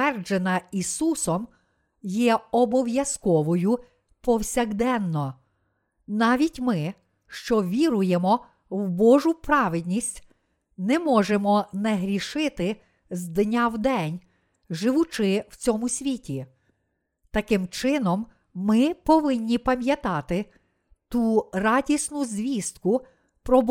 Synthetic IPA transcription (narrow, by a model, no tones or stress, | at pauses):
ɛrd͡ʒenɐisusɔm | jɛɔbɔwjɐskɔʋɔjʊ | pɔwsʲɐɣd̪ɛnːɔ | nɑʋʲitʲmɪ | ʃt͡ʃɔʋʲiɾʊjemɔ | wbɔʒʊpɾɑʋɪd̪ʲnʲisʲtʲ | nɛmɔʒemɔnɛɦɾʲiʃɪt̪ɪ | zd̪nʲawd̪ɛnʲ | ʒɪʋʊt͡ʃɪwt͡sʲɔmʊsʲʋʲitʲi | t̪ɐkɪmt͡ʃɪnɔmː | ɪpɔʋɪnʲːipɐmʲjɐt̪ɑt̪ɪ | t̪urɑdʲisnʊzʲʋʲist̪kʊ | pɾɔb